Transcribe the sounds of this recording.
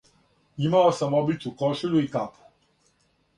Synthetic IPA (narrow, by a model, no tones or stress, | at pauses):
jimaɔsãmɔbitukɔʃuluikap